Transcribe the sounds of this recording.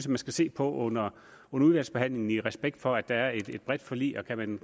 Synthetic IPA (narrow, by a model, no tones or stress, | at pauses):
sæmænsɡ̥æse̝̰ːpʰɒ̽ʔɔn̰ɐ | ɔ̽nɐuðˠʋælsb̥eɦæn̰le̝ŋn̩iʁɛsb̥eɡ̥̚d̥fɒ̽æd̥ɑ̈æɐe̝d̥e̝d̥̚b̥ʁɛd̥fɒ̽lḭːɐkʰæmæn